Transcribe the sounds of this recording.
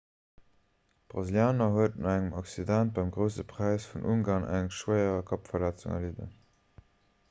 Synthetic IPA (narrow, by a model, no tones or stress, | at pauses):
b̥ʁɑziljaːnɐɦuətənɑæŋəmɑksidænt̚b̥ɑɪmɡʁəʊsəpʰʁ̥æɪsfunʔuŋɡaːnʔæ̰ŋʃwəɪəʁɐkʰɑpfɐlæt͡sṵŋɐ̰lidə̰